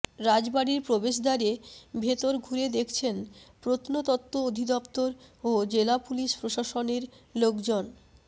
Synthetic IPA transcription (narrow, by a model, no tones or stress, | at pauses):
ɾad͡ʑbaɽiɾpɾobeʃ̬d̪aɾebʱet̪oɾɡʱuɾed̪ekʰt͡ɕʰenpɾot̪ʰnot̪ɔt̪ːood̪ʱid̪ɔpt̪oɾod͡ʑelapuliʃpɾoʃaʃoneɾlokd͡ʑon